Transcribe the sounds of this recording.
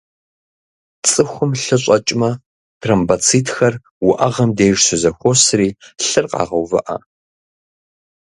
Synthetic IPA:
t͡sʼɨxʷʊmɬɨɕʼɐt͡ʃʼmɐ | tʰrɐmbɐt͡sʰiːtʰxɐr | wʊʔɐʁɐmdeːʒsɨzɐxʷosriːɬɨrqɑ̰ːʁɐwvɐ̰ʔɐ̰

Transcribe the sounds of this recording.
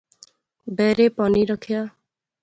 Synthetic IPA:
beɾepɔniɾɔkʰja

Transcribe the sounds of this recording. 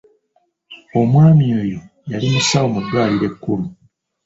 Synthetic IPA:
o̞mwaːmieːjo | jalimusaomudwaːɾiɾe̞kːuɾu

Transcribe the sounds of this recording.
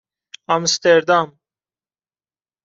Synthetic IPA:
amst̪eɾd̪am

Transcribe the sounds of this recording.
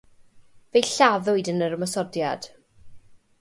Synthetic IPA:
vejɬaðʊɨdənəɾəmɔsɔdjad̥

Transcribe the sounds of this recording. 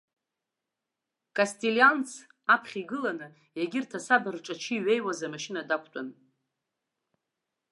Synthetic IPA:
kʼastʼiliant͡sʰ | apʰχʲiɡɨlanɨ | jaɡʲɪrtʰasabarʈ͡ʂʼat͡ʃʰiɥe̞jwazamaʃinadakʷʰtʷʼan

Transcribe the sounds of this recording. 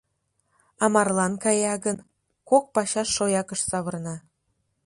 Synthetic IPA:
ɑmɑrlˠɑnkɑjɑɣən | kok̚pɑɕɑʃːojɑkə̆ʃsɑβɤ̆rnɑ

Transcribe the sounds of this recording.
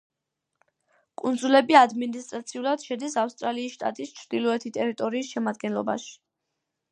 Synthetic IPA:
kʼund̪zulɛbiad̪minist̪ʼɾat̪sʰiulˠad̪̥ʃɛd̪isafst̪ʼɾaliːsʃt̪ʼa̰t̪ʼist͡ʃʰɾd̪̥ilˠɔɛt̪ʰit̪ʼɛɾit̪ʼɔɾiːsʃɛmad̪̚ɡɛnlˠɔba̰ʃi̥

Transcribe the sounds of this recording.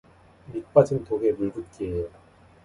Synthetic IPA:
mit̚p͈ad͡ʑɯnt̪oɡemubut̚k͈eejo

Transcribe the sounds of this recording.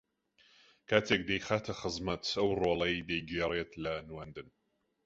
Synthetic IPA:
kʰat͡sʰek̚dejχatʰɐχəzmɐtʰɐwrolɐjdejɡjɛɾɛtʰlɐnwɐndɨn

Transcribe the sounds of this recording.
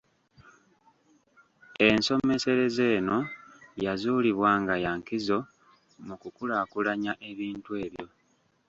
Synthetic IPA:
e̞nso̞me̞se̞ɾe̞ze̞ːno̞jazuːliβwaːŋɡajaŋkizo̞ | mukukulakulaɲaʔe̞βiːntwe̞ːβjo̞

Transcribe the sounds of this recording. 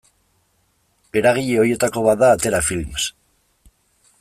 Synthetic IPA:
peɾaɣ̞iʎeojet̪akoβaðaːt̪eɾafilms

